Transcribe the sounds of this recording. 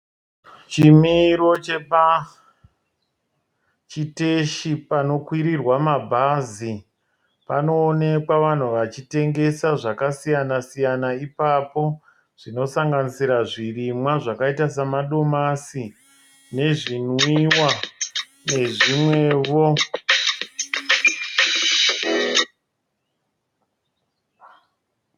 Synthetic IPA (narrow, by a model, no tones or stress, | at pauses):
t͡ʃimiɾo̞t͡ʃe̞pa | t͡ʃiteʃipano̞kwiɾirwamabʱazi | pano̞ːne̞kwaʋan̤uʋat͡ʃite̞ŋɡe̞saʐakasijanasijanaipapo̞ | ʐ̥ino̞saŋɡanisiɾaʐirimwaʐakaitasamaɗo̞masi | ne̞ʐinwiwa | ne̞ʐimwe̞ːʋo